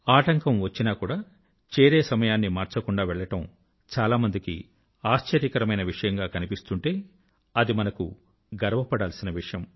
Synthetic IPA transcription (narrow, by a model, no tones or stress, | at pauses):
aːʈɐŋkɐmʋɐt͡ʃːinaːkuːɽaː | t͡ʃeːɾe̞ːsɐmɐjaːnːimaːɾt͡ʃɐkuɳɖaːʋɛɭːɐʈɐm | t͡ʃaːlaːmɐnd̪ikḭ | aːʃt͡ʃɐɾjikɐɾɐmɐjnɐʋiʂɐjɐŋɡaːkɐnipist̪uɳʈe̞ː | ɐd̪imɐnɐku | ɡɐɾɐʋɐpɐɽaːlsinɐʋiʂɐjɐm